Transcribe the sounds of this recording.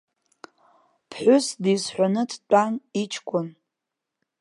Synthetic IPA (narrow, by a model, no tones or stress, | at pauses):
pʰħʷʊsdisħʷᶣanɨdʰt͡pʷʼanit͡ʃʰkʷʼʊn